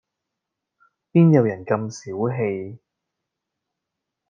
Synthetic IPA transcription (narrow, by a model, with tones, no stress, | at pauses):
piː˥njɐ˨˧wjɐ˨˩nkɐ˧msiː˨˥wɦe˧j